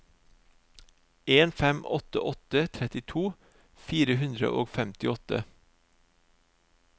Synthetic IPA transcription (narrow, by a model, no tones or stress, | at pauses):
ʔeːnfɛmɔt̪ə̰ʔɔt̪ət̪ʰɾɛt̪ɪt̪ʰuː | fiːɾəhʉnd̪ɾə̰ʔo̰ːɡfɛmt̪ɪɔt̪ə